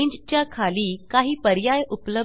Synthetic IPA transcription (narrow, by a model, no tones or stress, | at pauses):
iɲd͡ʑt͡ɕjakʰaliːkaɦiːpəɾjajuplə